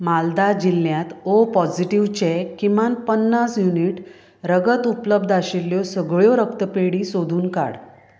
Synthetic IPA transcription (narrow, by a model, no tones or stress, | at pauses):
mald̪ad͡ʑilːjãt̪opɔd͡ʑiʈiʋt͡ɕekimanpənːasjuniʈ | ɾəɡət̪upləb̚d̪ʱaɕilːjɔsəɡɭjɔɾəkt̪əpeɽisod̪ʱuːnka̰ɽ